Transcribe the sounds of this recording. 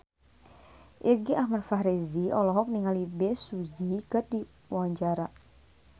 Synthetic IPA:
ʔirɡiʔahmadfaɦɾiziɔlɔɦɔk̚niŋalibɛsud͡ʒikɨrdi | waɲt͡ʃaɾa

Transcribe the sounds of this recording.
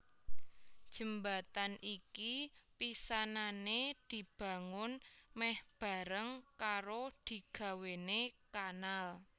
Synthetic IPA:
d̥ʒ̥ə̤mbat̪anʔikipisananed̪̥i̤b̥a̤ŋʊnmɛhb̥a̤ɾəŋkaɾod̪̥i̤ɡ̥ä̤wenekanal

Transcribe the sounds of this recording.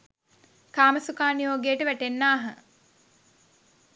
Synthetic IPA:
kaːməsukaːnijoːɡejəʈəʋæʈenːaːɦə̰

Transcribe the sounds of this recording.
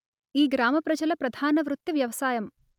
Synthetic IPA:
iːɡɾaːmɐpɾɐd͡ʒɐlɐpɾɐd̪ʱaːnɐʋɾut̪ːiʋjɐʋɐsaːjɐm

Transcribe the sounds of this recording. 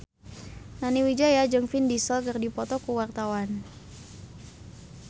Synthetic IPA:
naniwid͡ʒajad͡ʒɨŋfindisəlkərdipɔt̪ɔkuwart̪awan

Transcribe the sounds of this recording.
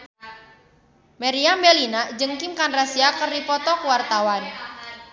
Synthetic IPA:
maɾiambɛlinad͡ʒəŋkimkanrasiakərdipɔt̪ɔkəwart̪awan

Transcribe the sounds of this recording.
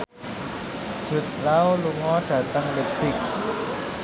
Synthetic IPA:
t̪ʰut̪̚lawluŋɔːt̪ʰat̪aŋbep̚sik̚

